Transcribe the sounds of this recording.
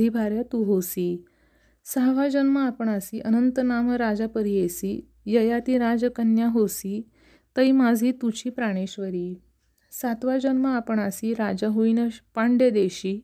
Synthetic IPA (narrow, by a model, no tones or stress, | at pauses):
iːbʱaɾjat̪uɦosiː | səɦʋad͡ʑənməapəɳasiːʔənənt̪ənaməɾad͡zapəɾiesiː | jəjat̪iːɾad͡zkənjaɦosiː | t̪əimad͡zʱiːt̪ut͡ɕʰiːpɾaɽ̃eɕʋəɾiː | sat̪ʋad͡ʑənməapəɳasiːɾad͡ʑaɦoinəpaɳɖed̪eɕiː